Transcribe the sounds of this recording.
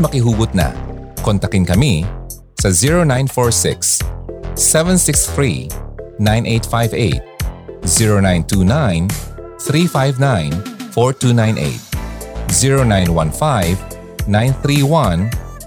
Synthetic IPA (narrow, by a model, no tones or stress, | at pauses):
mɐkɪɦuːɡʊt̪̚nɐ̰kɔnt̪ɐkɪnkɐmi | sɐziɹonãjnfɔɹsɪks | sɛvɛnsɪksθɹḭnãjnʔejt̪fajvet̪̚ziɹonãjnt̪uːnajn | θɾifajvnãjnfɔɹt̪uːnãjnʔḛjt̪̚ziɹonajnwɐ̃nfajv | nãjnθɾiwɐ̃n